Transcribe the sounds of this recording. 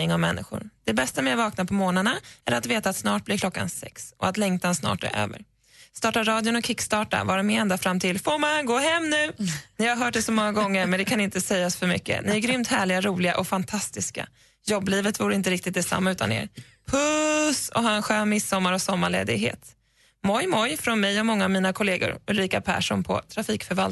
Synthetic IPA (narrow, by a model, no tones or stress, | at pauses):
ɪŋɔmmɛ̰nːɪ̰ɧʊ̰ɾd̪̥ɛbɛst̪amɛavɑːknapʰɔmoːnanaæɾat̪veːt̪aːt̪snɑːʈ̚blɪɾklɔkːa̰nsɛ̰ksʔɔat̪lɛŋt̪ʰansnɑ̰ːʈæ̰ɾø̰ːvə̰ɾ | st̪ɑːʈaɾɑːd̪jʊnɔkʰɪkːst̪ɑːʈa̰vɑːɾamɪɛnd̪afɾamt̪ʰɪlfomanɡoːɦɛmːnʉ̟ːnɪhaɾɦœːʈ̚dɛsɔmɔŋːaɡɔŋːəɾmɛnd̪ɛkʰanɪnt̪əsɛjːasfœɾmʏ̰kːə̰nɪæɾɡɾʏmt̪hæːɭɪɡaɾuːlɪɡa̰ʔɔfant̪ʰast̪ɪska̰ | jɔbːliːvət̪vuːɾəɪnt̪əɾɪk̚t̪ɪt̪̚d̪ɛsa̰mːaʉ̟ːt̪anḛːɾ | pʰɵsɔ̰ɦɑːɛnɧøːnmɪsːɔmːaɾɔsɔmːaɭḛːd̪ɪ̰ɡɦḛːt̪ | mɔjmɔjfɾɔnmɛjɔmɔŋːaːvmiːnakʰɔleːɡʊ̰ɾʊlɾiːkapʰæ̰ːʂɔ̰npʰɔ̰t̪ʰɾafiːkfœɾval